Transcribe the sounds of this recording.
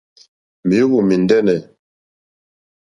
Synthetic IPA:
mi˨˦ɣu˨mi˨ndɛ˦nɛ˨

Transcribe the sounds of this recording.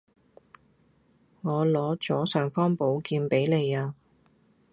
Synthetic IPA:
ŋɔː˨˧lɔː˨˧˥t͡sɔː˨˥sœː˨˩ŋfɔː˥ŋpo˨˥wkiː˧npe˨˥jle˨˧jaː˧

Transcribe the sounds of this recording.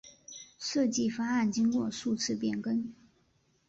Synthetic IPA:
ʂɤ˥˧t͡ɕi˥˩fa˥a˥˩nt͡ɕi˥ŋkwɔ˥˧ʂu˥˩t͡sʰɻ̩˥˩pjɛ˨˩nkə˥n

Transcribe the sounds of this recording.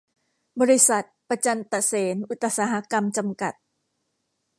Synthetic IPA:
bɔː˧ɾi˦˥sa˨˩t̪̚pa˧t͡ɕa˧nt̪a˨˩seː˩˦nʔu˨˩t̪ːa˧saː˨˦ɦa˦˧˥ka˧mt͡ɕa˧mka˨˩t̪̚

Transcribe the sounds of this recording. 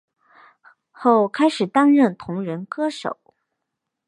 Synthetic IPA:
xo˥˩ʊkʰa˥ɪʂɻ̩˨˩t̪ɑ˥nɻə˥˩nt̪ʰʊ˧˥ŋɻə˧˥nkɤ˥ʂo̰˨˩˦ʊ

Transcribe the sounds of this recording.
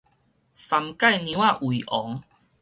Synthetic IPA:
sa˨˧mka˥˧jnjĩ˧˦a˦˧˨ʔwi˨ʔɔ˨˦ŋ

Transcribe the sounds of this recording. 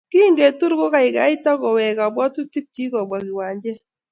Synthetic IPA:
ki˦ŋɡe˨tu˦ɾɡʊ˦ka˨ɪ˨ɡa˨˦ɪ˦ta˦kɔ˨wɛ˨ka˨bwɔ˦tu˦ti˦k̚t͡ʃi˦kɔ˨bwa˨ɡɪ˨wa˨ɲd͡ʒɛ˦

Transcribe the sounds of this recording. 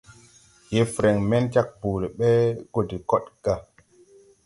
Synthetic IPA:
je˨fɾe˨ŋmɛ˦nt͡ʃa˦k̚buː˨le˨ɓɛ˦ɡo˨di˨kɔ˦ɗɡ̥a˦˨

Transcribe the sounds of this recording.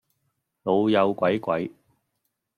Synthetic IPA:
lo˨˧wjɐ˨˧wkʷɐ˨˥jkʷɐ˨˥j

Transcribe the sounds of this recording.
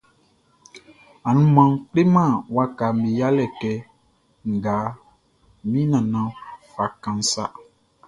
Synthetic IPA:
a˨nũ˦mã˨ŋk͡ple˦mã˦˨wa˦ka˨m̩˨be˨ja˦lɛ˨kɛ˨ | ŋ̩˨ɡa˨˦ | mĩ˦nã˨nã˨fa˨kã˨n˦sa̰˦

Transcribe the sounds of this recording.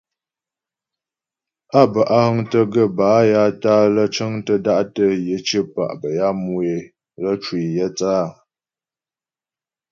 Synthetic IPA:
a˦˨bə˨ʔa˦hə˦ŋtə˦ɡə˦˨baː˨˦ja˦taː˦lə˦t͡ʃə˦ŋtə˦da˦ʔtə˦jə˨˦t͡ʃə˦pa̰˨ʔbə˨ja˦mu˦e˨ | lə˦t͡ʃwi˨jə˦t͡saː˦˨

